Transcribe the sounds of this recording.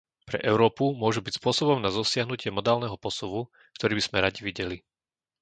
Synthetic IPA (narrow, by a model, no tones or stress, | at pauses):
pɾɛ̰ʔɛʊɾɔːpumʊɔʒubicspʊɔsɔbɔmnazɔsɪaɦnucɪɛmɔd̪aːlnɛɦɔpɔsɔʋu | kt̪ɔɾiːbiz̥mɛɾaɟiʋiɟɛli